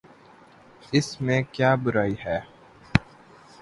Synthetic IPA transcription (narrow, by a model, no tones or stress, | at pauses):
ɪsmẽkjaːbʊɾaːiɦɛː